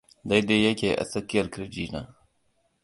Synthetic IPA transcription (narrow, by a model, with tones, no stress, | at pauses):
d̪a˦jd̪e˦jɐ˦kʲe˨ʔɐ̰˨sɐ˦kːi˦jɐ˨ɾkɾd͡ʒiː˦na̰˨